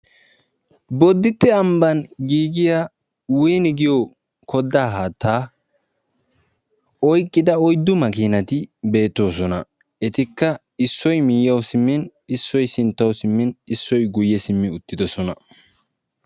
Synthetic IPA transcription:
bɔd̪ːɪt̪ːɛɐmbɐnɡiːɡɪja | wʊjnɪɡɪjo | kʰɔd̪ːaːɦaːt̪ːaː | ɔjkʼːɪd̪ɐɔjd̪ːʊmɐkiːnɐt̪ɪbe̞ːt̪ːo̞ːsɔnɐ | ɛt̪ɪkːɐ | ɪsːɔjmɪːjːɐwsɪmːɪnɪsːɔjsɪnt̪ːɐwsɪmːɪnɪsːɔjɡʊjːɛsɪmːɪʊt̪ːɪd̪ɔsɔnɐ

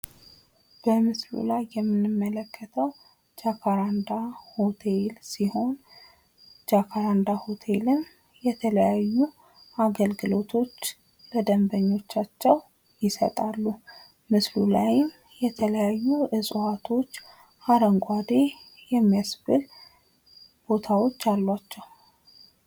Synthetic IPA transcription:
b̥əmɨslṵlajːɛmːɨnːɨmːələkːət̪ʰəw | d͡ʒakʰaɾand̪ahot̪ʰelsiho̞n | d͡ʒakʰaɾand̪ahot̪ʰe̞lɨm | jɛt̪ʰələjajːu | ʔaɡəlɡɨlo̞t̪ʰo̞t͡ʃː | ləd̪əmbəɲːo̞t͡ʃːat͡ʃːɛw | jɪsə̰t̪ʼalːu | mɨslulajɪm | jɛt̪ʰələjajːuʔɨsʼat̪ʰo̞t͡ʃː | haɾəŋɡʷʼad̪e̞ | jɛmːijasbɨl | b̥o̞t̪ʰawo̞t͡ʃːalːwat͡ʃːɛw

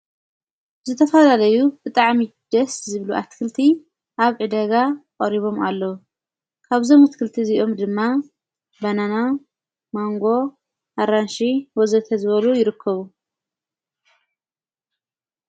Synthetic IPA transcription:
zɨt̪ʰɐfɐlalɐjubɨt̪ʼaʕmid̪̥ɐszɨβluʔa̰t̪kʰɨlt̪ʰi | ʔaβʕɨd̪ɐɡakʼɐɾiβo̞malːɐu | kʰaβzo̞mat̪kʰɨlt̪ʰiziʔo̞md̪ɨmːa | banana | maŋɡo̞ | ʔaɾanʃiwɔzɐt̪ʰɐzɨβɐlujɪɾɨkʰːɐβu

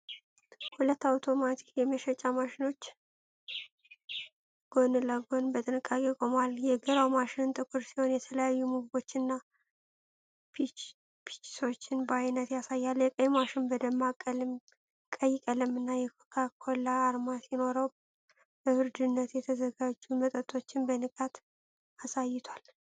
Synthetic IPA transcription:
hulət̪ːawt̪ʰo̞mat̪ʰi̥kjɛməʃɛt͡ʃʼamaʃɪno̞t͡ʃː | ɡ̥o̞nləɡo̞nbət̪ʼɨnɨkʼːakʼekʼo̞maljɛɡəɾawmaʃɪnɨnt̪ʼɨkʷʰuɾsiho̞njɛt̪ʰələjajːumuɡbo̞t͡ʃːɨnːa | pʰi̥t͡ʃːso̞t͡ʃːɪnbəajnət̪jasajːaljɛkʼəjmaʃɪnbəd̪əmːa | kʼəjkʼələmɨnːajɛkʰkʰakʰolːaːɾmasino̞ɾəw | bəhɨɾd̪ɨnːət̪jɛt̪ʰəzəɡad͡ʒːumət̪ʼət̪ʰo̞t͡ʃːɪnbənɨkʼat̪ | asajːɪt̪ʰwal

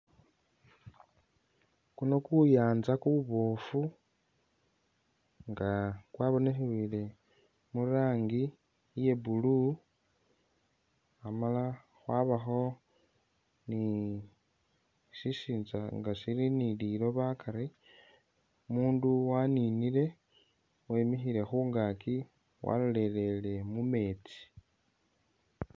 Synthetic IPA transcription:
kuno̞kujaːnzakuβuβo̞ːfu | ŋɡakwaːβo̞nexiβile | muɾaːŋɡi | ije̞bulu | amala | xwaːβaxo̞ | ni | ʃiʃiːnzaŋɡaʃiɾinililo̞βakʰaɾi | muːnduwaninile̞ | wemixiɾe̞xuːŋɡaːki | wa̰lole̞le̞le̞mume̞ːt͡si̥

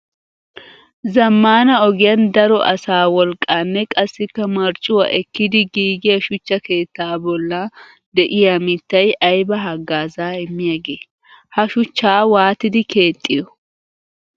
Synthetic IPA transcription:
zɐmːaːnɐɔɡɪjɐnd̪ɐɾɔʔɐ̰saːwɔlkʼːaːnːɛkʼɐsːɪkːɐmɐɾt͡ʃʼːʊwɐ̰ʔɛkːɪd̪ɪɡiːɡɪjɐʃʊt͡ʃːɐke̞ːt̪ːaːbɔlːa | d̪ɛʔɪjamɪt̪ːɐjɐjbɐɦɐɡːaːzaːɛmːɪjɐɡeː | hɐʃʊt͡ʃːaːwaːt̪ːɪd̪ɪke̞ːt̪ʼːɪjɔ

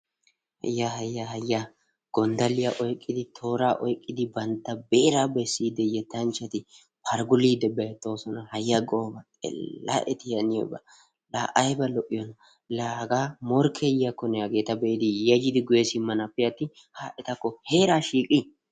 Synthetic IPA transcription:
hɐ̰jːahɐjːahɐjːa | ɡ̥ɔnd̪ɐlɪjaʔɔjkʼːɪd̪ɪt̪ʰo̞ːɾaːʔɔjkʼːɪd̪ɪbɐnt̪ːɐbeːɾaːbɛsːiːd̪ːɛjɛt̪ːɐnt͡ʃːɐt̪ɪ | pʰɐɾɡʊliːd̪ɛbɛjɛt̪ːo̞ːsɔnɐhɐjːɐɡoːbɐkʼɛ̰lːa̰ʔɛt̪ɪjɐnɪjɔ̰bɐ̰ | laːʔɐjbɐlɔʔɪjɔnɐ | laːɡaːmɔɾkʰɛjɐkːɔnɛɐɡe̞ːt̪ɐbɛʔɪd̪ɪjɐd͡ʒɪd̪ɪɡʊjɛsɪmːɐnɐpːɪjɐt̪ːɪ | haːʔɛt̪ɐkːɔhe̞ːɾaːʃiːkʼɪ

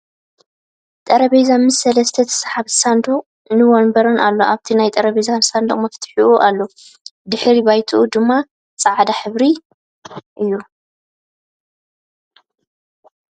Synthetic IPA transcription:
t̪ʼɐɾɐβezanmɨsːɐlɐst̪ʰɐt̪ʰɐ̥sħaβsand̪okʼ | nɨwonbɐɾonalːo̞ʔaβt̪ʰinajt̪ʼɐɾɐβezansand̪oχʼmɐft̪ʰħuʔuʔalːo | d̪ɨħɾibajt̪ʰuʔud̪ɨmːa | t͡sʼaʕd̪aħɨβɾi | ʔɨjːu

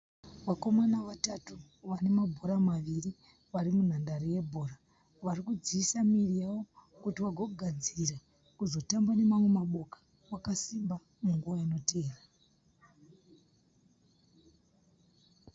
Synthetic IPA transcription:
ʋako̞manaʋatatu | ʋane̞mabʱo̞ɾamaʋiri | ʋaɾimun̤andaɾije̞bʱo̞ːɾa | ʋarikud͡ziːsamirijawo̞ | kutiwaɡʱoɡʱad͡zira | kuzo̞tambane̞mamwe̞maɓo̞kḁ | wakasimba | muŋɡuʋaino̞teːra

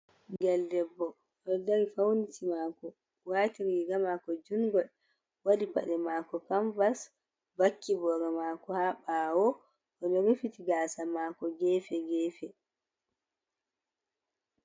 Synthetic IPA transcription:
ɡɛldɛbːɔ | ʔɔdaɾifawnitimaːkɔ | waːtiɾiɡamakɔd͡ʒunɡɔl | wadipa̰ɗɛmaːkɔkaɱvas | bakʰːibɔɡamaːkɔhabawɔ | ʔɔnɔɾifitiɡaːsamakɔɡɛːfɛɡɛːfɛ

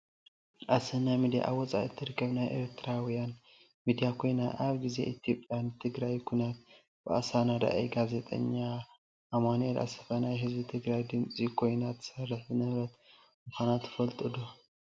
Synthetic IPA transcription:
ʔasɐnajmid̪ija̰ʔawɔt͡sʼa̰ʔɨt̪ʰːɨɾkʰɐβnajʔḛɾt̪ʰɾawijan | mid̪ijakʰo̞jnaʔaβɡize̞̰ʔit̪ʰijo̞pʼːjjant̪ʰɨɡɾajkʰunat̪̚ | b̥ɨʔa̰sanad̪a̰ʔḛjɡaze̞t̪ʼɐ̰ɲːa | ʔamanelʔa̰sɐ̥fɐnajɦɨzbɨt̪ʰɨɡɾajd̪ɨnt͡sʼikʰo̞jnat̪ʰːsɐrːɨħbɨnɐβɾɐt̪ | mɨkʰʷanat̪ʰːfɐlt̪ʼɨd̪o

